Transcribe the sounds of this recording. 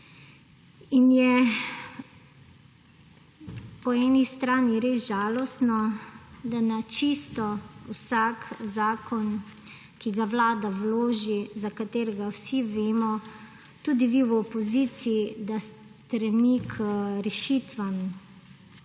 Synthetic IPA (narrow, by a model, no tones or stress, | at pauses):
injɛ | pɔɛːnist̪ɾaːniɾesʒaːlɔst̪nɔd̪anat͡ʃist̪ɔwsakzaːkɔn | kiɡaʋlaːd̪awloːʒizakat̪eːɾɛɡawsiʋeːmɔ | t̪uːd̪iʋiwɔpɔziːt̪siid̪as | t̪ɾɛmikʰɾɛʃiːt̪ʋam